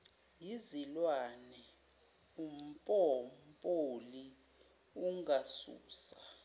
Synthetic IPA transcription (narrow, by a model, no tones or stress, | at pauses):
jizilwanɛ | um̩pʼɔm̩pʼoli | uŋasṵːsḁ